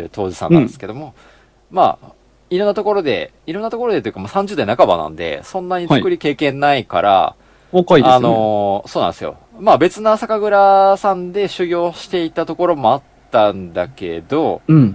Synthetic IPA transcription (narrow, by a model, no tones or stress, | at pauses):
t̪ʰo̞ːd͡ʑisa̰nãeske̞d̪omo̞ | ma̰ | iɾonːat̪o̞ko̞ɾo̞d̪e̞ | iɾonːat̪oko̞ɾo̞d̪e̞t̪ojɯ̟kamaːsãɲ̟d͡ʑɨːd̪ainakaba̰nã̰nd̪e̞̰sõ̞nːaɲ̟it͡sɨkɯ̟ɾʲike̞ːkẽ̞nːaika̰ɾa̰ | akaiano̞soːnã̰nd̪sɨjo̞̰ | mabe̞t͡sɨnasakaɡɯ̟ɾasãnd̪e̞ɕɨɡʲo̞ːɕi̥t̪e̞it̪at̪o̞ko̞ɾo̞mo̞at̪ːãnd̪ake̞̰d̪o̞